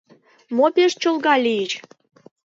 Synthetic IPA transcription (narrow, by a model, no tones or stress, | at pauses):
mopeʃt͡ɕolɣɑlʲijət͡ɕ